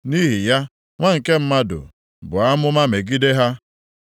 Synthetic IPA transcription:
ni˦ɦi˨ja˦ | ŋʷa˦ŋ̩˨ke˦m̩˦ma˦dʊ̰˨ | bʊ˨a˦mʊ˦ma˦me˨ɡi˦de˦ɦa˦

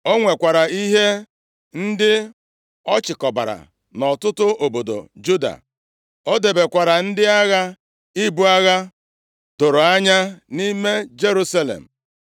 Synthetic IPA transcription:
o˦ŋʷe˨kʷa˨ɾa˨i˦ɦe˦ | n̩˦dɪ˦ | ɔ˦t͡ʃɪ˨kɔ˨ba̰˨ɾa̰˨ | nɔ˨tʊ˦tʊ˦o˨bo˨do̰˨d͡ʒu˦da̰˨ | o˦de˨be˨kʷa˨ɾa˨n̩˦dɪ˦a˦ɣa˦ | i˦bu˦a˦ɣa˦ | dʊ˨ɾʊ˨a˦ɲa˦ni˦me˦d͡ʒe˦ɾu˦sa˦lḛ˨m̩˨

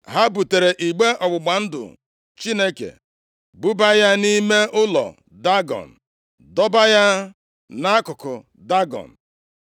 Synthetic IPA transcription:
ɦa˦bu˨te˨ɾe˨ʔi˨ɡ͡be˦ʔɔ˨ɡ͡bʊ˨ɡ͡ba˨n̩˦dʊ̰˨ | t͡ʃi˦ne˦kḛ˨ | bu˦ba˦ja˦ni˦me˦ʔʊ˦lɔ̰˨ | da˦ɡɔ̰˨n̩˨ | dɔ˦ba˦ja˦ | na˦a˦kʊ˨kʊ˨ | da˦ɡɔ̰˨n̩˨

